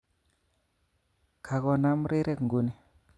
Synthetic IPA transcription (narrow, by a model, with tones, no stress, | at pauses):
kʰa˨kɔ˨na˦m˦ɾe˦ɾʔɛ˦kŋɡu˨ni˨